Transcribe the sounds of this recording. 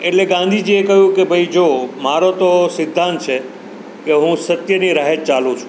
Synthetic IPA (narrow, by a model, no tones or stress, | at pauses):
eʈleɡãnd̪ʱid͡ʒiekəɦjũkebʱəid͡ʒomaɾot̪osɪd̪ʱːãnt̪̚t͡ʃʰe | keɦũsət̪jəniɾaɦet̪̚t͡ʃalũt͡ʃʰũ̥